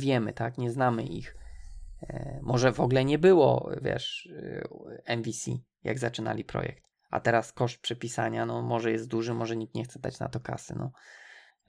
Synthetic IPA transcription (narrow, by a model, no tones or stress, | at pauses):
vʲjɛmɘt̪akɲɛznamɘʔix | mʔɔʐɛvɔɡlɛɲɛbɘwɔ̰vʲjɛ̰ʂ | ɛnvʲisʲḭ | ja̰ɡzat͡ʂɘna̰lʲipɾɔ̰jɛ̰kt̪ | a̰t̪ɛɾaskɔʂt̪̚pʂɛpʲisaɲanɔmɔʐɛjɛst̪̚d̪uʐɘmɔʐɛɲikt̪ɲɛxt̪sɛd̪at͡ɕna̰t̪ɔka̰sɘ̰nɔ